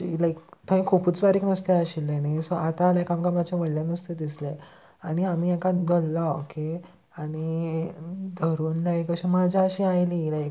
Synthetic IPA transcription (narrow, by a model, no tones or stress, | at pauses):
lajk̚t̪ʰə̃ĩkʰupuːt͡sbaɾiːknəst̪eaɕilːenasɔat̪alakamkamat͡ɕjaʋəɽlãnəst̪ed̪isle | aɽ̃iam̤iːekaɡʱəlːaokʰe | aɽi | d̪ʱəɾuːnlajkəɕẽmad͡ʑʱaəɕiːajlilajk